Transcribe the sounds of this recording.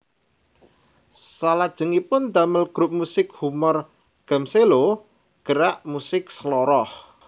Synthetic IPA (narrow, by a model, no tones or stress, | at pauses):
salad̥ʒ̥ə̤ŋipʊnd̪aməlɡ̥ɾup̚musɪk̚humɔr | ɡ̥a̤mselo | ɡ̥əɾaʔmusɪk̚slɔɾɔh